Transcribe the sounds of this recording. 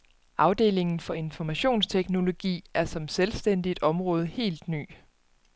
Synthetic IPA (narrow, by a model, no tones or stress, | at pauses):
ʔɑ̈ʊd̥e̝̰ːle̝ŋn̩fɒ̽e̝nfɒmæɕo̝̰ːnst͡sʰeɡ̥no̝lo̝ɡ̥ḭːæɐsɒ̽mselsd̥en̰d̥id̥ɒ̽mʁɔ̽ːð̞ˠəhe̝̰ːld̥ny̰ː